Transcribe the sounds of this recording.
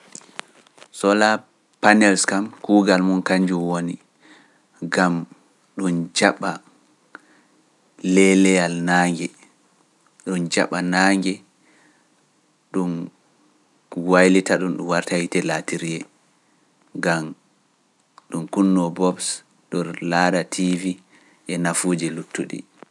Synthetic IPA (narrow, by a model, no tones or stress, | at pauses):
sɔla | panɛlskamkuːɡalmunkaɲd͡ʒumwoni | ɡam | ɗund͡ʒaɓːa | lɛlɛjalnaːŋɡɛ | ɗund͡ʒa̰ɓanaːŋɡɛ | ɗun | wajlitaɗunɗumwaɾtahitɛlatiɾijɛ | ɡam | ɗumkunːɔbɔbs | ɗɔɾlaːdatʰivi | ʔɛnafuːd͡ʒilutːuɗḭ